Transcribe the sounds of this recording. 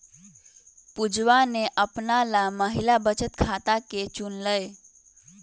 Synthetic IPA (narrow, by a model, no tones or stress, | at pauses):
pud͡ʒʋaneʔəpnalaməɦilabət͡ʃət̪̚kʰat̪aket͡ʃunləj